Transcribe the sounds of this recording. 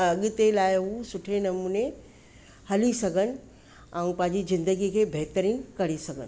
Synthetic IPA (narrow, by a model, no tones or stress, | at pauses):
ɐɠt̪elaːɪɦusʊʈʰenɐmuːne | hɐlisɐɡʱənɪ̆ | ɛ̃ũpɐ̃ɦɪ̃ɲd͡ʑizɪ̃nd̪əɡikʰeːbʱeɦt̪əɾiːnkɐɽisɐɡʱənɪ̆